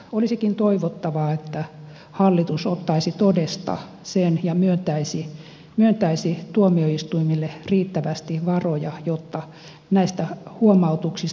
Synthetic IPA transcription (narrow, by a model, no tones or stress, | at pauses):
olisikint̪oiʋot̪ːɑʋɑet̪ːæ | hɑlːit̪usot̪ːɑisit̪odest̪ɑ̰ | senjɑmyønt̪æisi | myønt̪æisit̪uomioist̪uimilːeriːt̪ːæʋæst̪iʋɑrojɑjot̪ːɑ | næist̪æhuomɑut̪uksis